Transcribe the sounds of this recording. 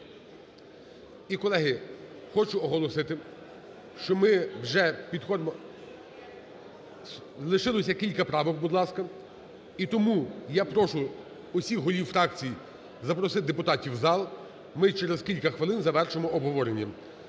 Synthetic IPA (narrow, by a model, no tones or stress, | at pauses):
ikɔlˠɛɦɪxɔt͡ʃʊɔɦɔlˠɔsɪt̪ɪ | ʃt͡ʃɔmɪwʒɛpʲid̪xɔd̪mɔ | lˠɪʃɪlˠɔsʲɐkʲilʲkɐpɾɑʋɪwbud̪lˠɑskɐ | it̪ɔmujapɾɔʃʊ | ɔsʲixɦɔlʲiwfɾɑk̚t͡sʲiji | zɐpɾɔsɪd̪epʊt̪ɑtʲiwzɑlˠ | mɪt͡ʃɛɾezkʲilʲkɐxʋɪlˠɪnzɐʋɛrʃɪmɔɔbɦɔʋɔɾenʲːɐ